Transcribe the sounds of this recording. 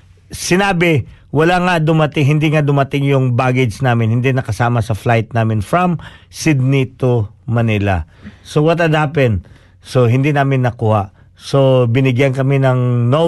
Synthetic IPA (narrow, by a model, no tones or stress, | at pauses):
sɪnaːbɪwɐlaŋad̪ʊmɐt̪ɪŋɦɪnd̪iŋad̪ʊmɐt̪ɪŋjʊŋbaːɡɪd͡ʒd͡ʒnaːmɪnhɪnd̪inɐkɐsaːmɐsɐflajt̪̚naːmɪnfɹɐmsɪd̪̚nit̪omɐnɪlɐ̰ | sowɐt̪ɐd̪aːpɛn | so̞ɦɪnd̪inaːmɪnːɐkuːhaʔ | so̞bɪnɪɡjankɐmɪnɐŋno